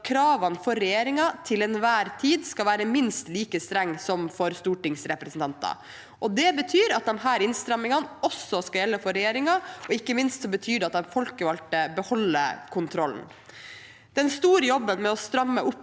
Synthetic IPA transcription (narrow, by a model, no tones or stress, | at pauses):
kʰɾɑːʋɑnfɔɾɛjeːɾɪŋɑt̪ʰɪlɛnʋæːɾt̪ʰiːd̪skɑʋæːɾəmɪnst̪liːkəst̪ɾɛŋːsɔmfɔɾst̪uːʈɪŋsɾɛpɾəsn̩t̪ʰɑnt̪ɑ̰ | ʔɔd̪ɛbət̪ʰyːɾɑt̪̚d̪ɛmɦæːɾɪnst̪ɾɑmɪŋɑnɔsːɔskɑjɛlːəfɔɾɛjeːɾɪŋɑɔɪkːəmɪnst̪sɔbət̪ʰyːd̪ɛɑt̪̚d̪ɛmfɔlkəʋɑlt̪əbəhɔlːə̰kʰʊnt̪ʰɾɔln̩ | d̪̥ɛnst̪uːɾəjɔbːənmɛɔst̪ɾɑmːəʔʊpː